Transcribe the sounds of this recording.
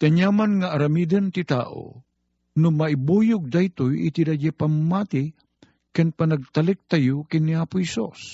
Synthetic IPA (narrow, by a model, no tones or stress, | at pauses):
t̪ɐɲamanŋaʔːɾɐmiːd̪ɐnt̪ɪt̪a̰ːʔo̰ | nʊmɐʔɪbuːjʊɡ̚d̪ajt̪ʊjɪ̰t̪id̪ad͡ʒapamːat̪ɪ | kanpɐnɐɡ̚t̪ɐlɪk̚t̪ɐjʊkɪnːɪaːpʊhɛsṵs